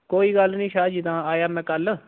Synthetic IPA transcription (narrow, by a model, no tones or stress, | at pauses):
koːiːɡəlnĩːʃaːd͡ʒit̪ãːaːjaːmɛ̃ːkəl